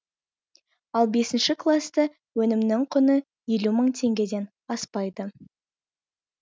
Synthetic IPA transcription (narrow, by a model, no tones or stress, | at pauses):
ɑlˠbe̞sɪnʃɪklˠast̪ə | wɵnɪmnɪŋqʰʊnə | je̞luməɴt̪ʰe̞ŋɡʲe̞d̪e̞n | ɑspɑjd̪ə